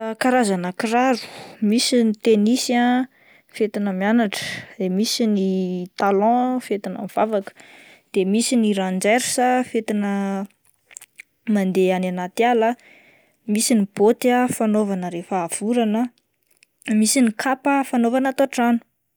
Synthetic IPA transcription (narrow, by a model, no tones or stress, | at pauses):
kaɾazanəkiɾaɾu̥misinit̪enisa | fet̪inəmianaʈ͡ʂə̥d̪emisinit̪alɔ̃fet̪inə̰miv̥avakə̥ | d̪̥emisiniɾãnd͡ʒeɾisəfet̪inə | mand̪eananat̪ialə | misinib̥ot̪afanovanəɾefaːv̥uɾanə | misinikʰapəfanovanat̪oaʈ͡ʂanu̥